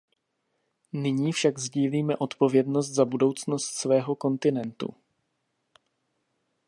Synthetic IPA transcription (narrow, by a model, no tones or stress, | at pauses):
nɪɲiːfʃaɡzɟiːliːmɛʔo̞t̪po̞vjɛdno̞st̪zabudo̞wt͡sno̞st̪svɛːɦo̞ko̞nt̪ɪnɛnt̪ṵ